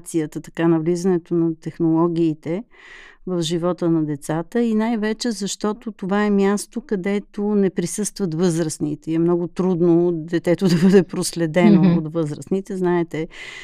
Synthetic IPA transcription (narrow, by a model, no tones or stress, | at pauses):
t̪sijət̪ət̪ɐ̥kanɐvlizənɛt̪onɐt̪ɛxnolˠɔɡ̟ʲiːt̪ɛ | vəfʒivɔt̪ənɐd̪ɛt̪sat̪əinajvɛt͡ʃɛzɐʃt̪ɔt̪ot̪ovaɛmʲjast̪okɐd̪ɛt̪onɛpɾisɤst̪vət̪vɤzɾəsnit̪ɛiɛmnɔɡʊt̪ɾud̪nod̪ɛt̪ɛt̪ʊd̪ɐbɤd̪ɛpɾoslɛd̪ɛnoːt̪vɤzɾəsnit̪ɛznaɛt̪ɛ